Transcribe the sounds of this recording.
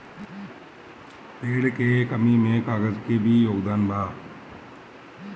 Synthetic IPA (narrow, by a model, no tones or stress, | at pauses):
peːɽkekəmimẽkaːɡəd͡ʒkebʱijoːɡd̪aːnbʱaː